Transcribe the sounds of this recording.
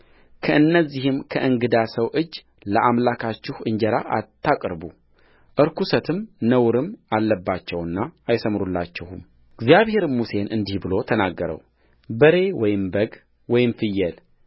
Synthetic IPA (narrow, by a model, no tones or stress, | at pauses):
kʰəʔɨnːəzːihɨmkʰəʔɨŋɡɨd̪asəwʔɨd͡ʒː | ləʔamlakʰat͡ʃːɪhʔɨɲd͡ʒəɾaʔa̰t̪ʰːakʼɾbu | ʔɨɾkusət̪ʰɨmnəwɾɨmalːəbːat͡ʃːɛwɨnːaajsəmɾulːat͡ʃːɛhum | ɡzijaβhe̞ɾmːuse̞nʔɨnd̪ihbɨlo̞t̪ʰənaɡːəɾə̰w | bəɾe̞wɔjɪmbəɡ | wɔjɪmfɨjːɛl